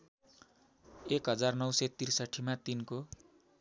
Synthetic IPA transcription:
ekɦʌd͡zarnʌwsʌt̪irsʌʈʰimat̪inko

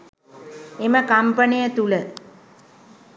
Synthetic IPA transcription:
eməkampənijət̪ulə

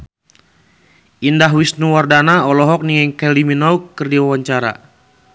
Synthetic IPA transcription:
indaɦwisnuwardanaɔlɔɦɔk̚niŋɛŋkɛliminawkərdiwawaɲt͡ʃaɾa̰

